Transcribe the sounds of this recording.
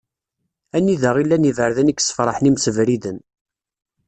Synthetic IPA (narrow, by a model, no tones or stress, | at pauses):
ænːiðəʁilːænivəɾðænikːsə̥fɾˤɑħnimsəvɾiðən